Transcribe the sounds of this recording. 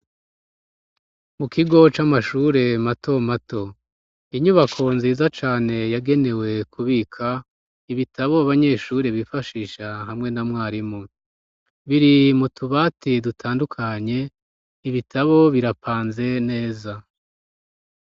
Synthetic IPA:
mukʰiɡo̞t͡ʃamaʃuɾe̞matʰo̞mato̞ | iɲuβakʰo̞nziːzat͡ʃaːne̞jaɡe̞ne̞we̞kʰuβikʰa | iβitʰaβoaβaɲe̞ːʃuɾiβifaʃiːʃaɦamŋe̞namŋaːɾimo | βiɾimutuβaːtidutʰaːndukʰaɲe̞ | iβitʰaβo̞βiɾapʰaːnze̞ne̞ːza

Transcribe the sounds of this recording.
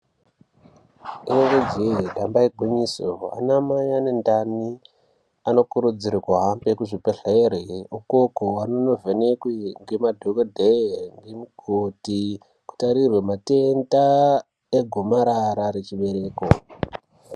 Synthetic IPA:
inoŋɡod͡ʒidʱambaiɡʱiɲisoa̰namajanendani | ano̞kuɾud͡ziɾikoɦambekuʐipeɬaeɾeukokowanono̞venekwiŋɡe̞madʱokodʱeŋɡemuɡ̥ʱoti | ku̥taɾirwemate̞nda | eɡʱomaɾaɾaɾet͡ʃiɓe̞ɾe̞ːko

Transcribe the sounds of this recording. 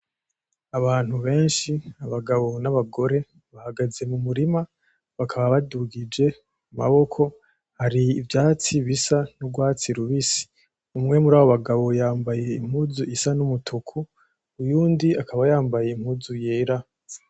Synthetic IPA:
aβaːn̥huβe̞ːnʃiaβaɡaβo̞naβaɡo̞ɾe̞ | βahaɡaze̞mumuɾima | βakʰaβaβaduɡid͡ʒe̞ | uma̰βo̞kʰo̞ | haɾiːvjaːt͡siβisanuɡwaːt͡siɾuβisi̥ | umŋe̞muɾaːβoβaɡaβo̞jaːmbaje̞im̥huzuʔisanumutʰukʰuː | juːndiakʰaβajaːmbaje̞im̥huːzujeːɾa

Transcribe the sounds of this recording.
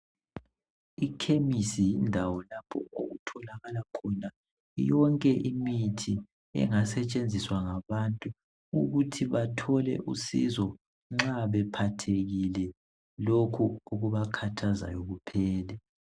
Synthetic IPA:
ikʰemisijindʱawɔlapʰɔ̰oɣutʰɔlaɣalakʰɔna | jɔŋkʼɛʔimitʰi | ɛ̰ŋasɛt͡ʃʼend͡zʱiswaŋaβantʼu | ṵɣutʰiβatʰɔlɛ̰ʔusḭzɔ | ŋ͡ǁaβɛpʰatʰeɣilɛ | lokʰuuɣuβakʰatʰaza̰joɣupʰɛːlɛ

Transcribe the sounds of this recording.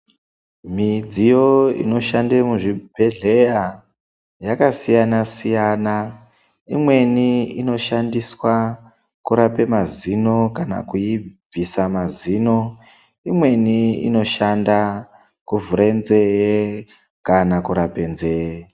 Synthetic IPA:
mid͡zijo̞ḭno̞ʃandemuʐibʱe̞ɮe̞ja | jakasijanasijana | imwe̞niino̞ʃandiswa | kuɾape̞mazino̞kana̰kuib͡visamaziːno̞ | imwe̞niḭno̞ʃanda | kuvuɾenze̞je | kanakuɾape̞nzeje

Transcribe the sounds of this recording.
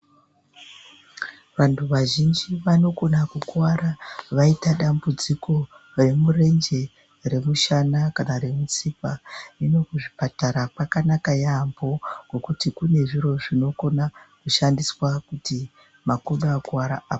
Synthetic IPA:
ʋantʰuʋaʒind͡ʒiʋano̞ko̞nakukwaɾaʋaitaɗambud͡ziko̞ | re̞mure̞nd͡ʒe̞ | re̞muʃanakanaɾe̞mut͡sipaino̞kuʐipataɾapakanakajambo̞ɡ̥okutikune̞ʐiɾo̞ʐino̞ko̞nakuʃandiswakuti | makoɗaːkuwaɾa̰ʔaːpo

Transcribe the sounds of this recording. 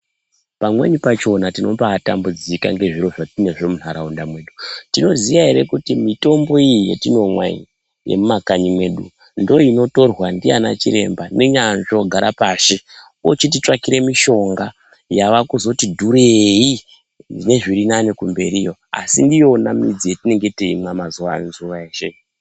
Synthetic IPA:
pamwḛɲipat͡ʃo̞natino̞pata̰mbud͡zika̰ŋɡe̞ʐiɾo̞ʐatine̞ʐo̞munaɾaundamwe̞ɗutino̞ziʋaɦe̞ɾe̞kutimito̞mbo̞ijijḛtino̞mwa̰ɲi | jḛmumakaɲimwe̞ːɗṵ | ndoino̞to̞rwandijana̰t͡ʃiɾe̞̰mbaneɲanʐo̞ɡʱaɾapaʃe | ot͡ʃit̬it͡ʂakiɾe̞miʃo̞ŋɡa | jaʋakuzo̞tidʱuɾei | ndine̞ʐiɾinanekumbe̞ɾiːjo̞a̰sindijo̞namid͡zijetine̞ŋɡe̞teimwamazuʋa̰nzuʋaeʃe̞

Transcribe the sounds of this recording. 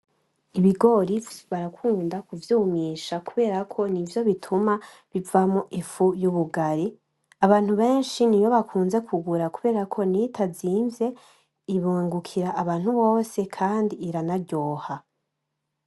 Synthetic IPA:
iβiɡo̞ɾivβaɾakʰuːndakuvjuːmiʃakuβe̞ːɾakʰo̞nivjo̞βitʰuma | βivamoʔifujuβuɡaɾi | aβaːn̥huβe̞ːnʃinijo̞βakʰuːnze̞kʰuɡuɾakuβe̞ːɾakʰo̞nitaziːnve̞ | iβuŋɡukʰiɾaʔːβaːn̥huβo̞ːse̞kʰaːndiːɾanaɾɟo̞ːha

